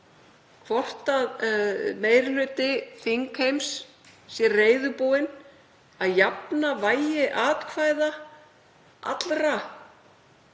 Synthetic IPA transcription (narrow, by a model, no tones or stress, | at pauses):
kʰvɔr̥t̪aðmeːjɾlʏːt̪ɪθiŋkʰhejmsː | jɛreːjðʏpoːwɪn | aðjapnavaːjɪʔaːt̪kʰvaːjða | ʔa̰t̪lɾa